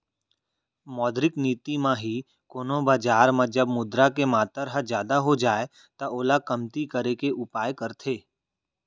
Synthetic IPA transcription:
mɔːd̪ɾɪkniːt̪imãɦi | koːnõbaːd͡ʒaːɾmãd͡ʒəbmʊd̪ɾakemaːt̪əɾɦəd͡ʒjaːd̪aɦod͡ʒaːe | t̪aʔoːlakɐmt̪ikəɾekeʔʊpaːjkəɾt̪ʰeː

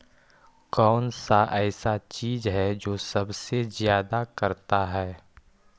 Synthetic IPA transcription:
kɔːnsaʔɛːsat͡ʃiːzɦɛd͡ʒoːsɐbsezjaːd̪akɐɾt̪aɦɛː

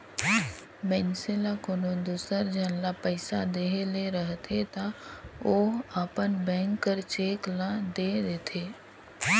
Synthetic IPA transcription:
mɛnselakonõd̪usəɾd͡ʒənlapəɪsad̪eɦeleɾəɦt̪ʰet̪aoːaːpənbɛ̃ːŋkːəɾt͡ʃeːklad̪ed̪eːt̪ʰeː

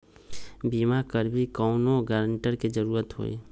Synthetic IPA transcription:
bimakəɾbʱikɔʊnoɡəɾəɳʈəɾked͡ʒəɾuːɾət̪ɦo̰ːḭ

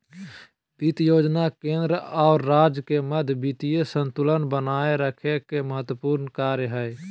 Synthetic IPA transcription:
bit̪joːd͡ʒnakẽːnd̪ɾaʊɾːaːd͡ʒkeməd̪ʱjbit̪ijesə̃nt̪ʊlənbənaːeɾəkʰekeməɦət̪wəpuːɾnkaːɾjəɦəe

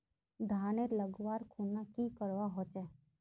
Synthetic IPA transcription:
d̪ʱaːneləɡʋaːɾkʰunːakikəɾʋaɦoːt͡ʃɛ

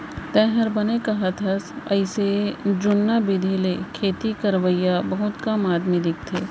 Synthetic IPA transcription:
t̪ɛ̃ːɦəɾbɐnekaɦɐt̪ʰɐsɐɪsed͡ʒʊnːabɪd̪ʱelekʰeːt̪ikɐɾʋəjabɐɦʊt̪kamaːd̪mẽd̪ɪk̚ʰt̪ʰeː

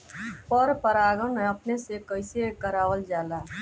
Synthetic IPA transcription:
pəɾpəɾaːɡəneɐpnesekəɪsekəɾaːʋəld͡ʒaːlaː

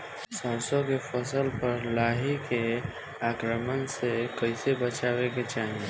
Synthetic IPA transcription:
sə̃ːsõkefʰəsəlpəɾlaːɦike | aːkɾəmənsekəɪsebət͡ʃaːweket͡ʃaːɦĩe

